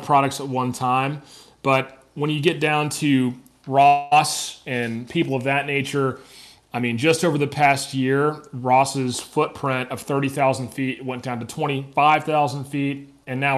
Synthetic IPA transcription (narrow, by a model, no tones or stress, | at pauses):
pʰɹ̥ɑɾɨk̚tsət̚wʌ̃ntʰãɪ̃m | b̥ʌt̚ | wə̃njɨɡɛt̚d̥ãʊ̃ntʰɨ | ɹɔsɨ̃npʰipl̩ˠʌvðɨtⁿneɪt͡ʃə˞ | aɪmĩnd͡ʒʌstoʊvə˞ðɨpʰæst̚jɪɹɹɔsɪz̥fʊt̚pʰɹ̥ɪ̃ntʌv̥θɜ˞ɾiθaʊzn̩d̥fiɾ̚wɛ̃nd̥ãʊ̃ntɨtʰw̥ɛ̃ɾ̃ifaɪv̥θaʊzn̩d̥fiɾ | ɨ̃nːaʊ